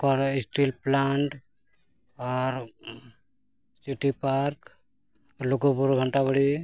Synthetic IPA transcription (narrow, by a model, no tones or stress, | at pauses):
kɔɾisʈilplaɳʈ | ɔɾ | siʈipaɾk | ɔɾloɡopuɾɡʱəɳʈabəɽi